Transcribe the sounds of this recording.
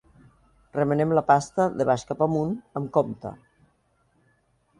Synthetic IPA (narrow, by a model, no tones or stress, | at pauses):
rəmənemlapast̪əðeβaʃkapamunəmkɔmt̪ə̰